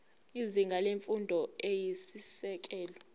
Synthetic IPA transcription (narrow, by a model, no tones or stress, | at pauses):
iziŋɡʱaleɱfundʱɔejisisɛk̬ʼɛːlɔ